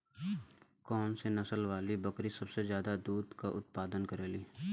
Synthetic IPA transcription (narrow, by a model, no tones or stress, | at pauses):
kɔːnsenɐsəlʋaːlibɐkɾisɐbsezjaːd̪ad̪uːd̪kaʔʊt̪̚paːd̪ənkɐɾeːliː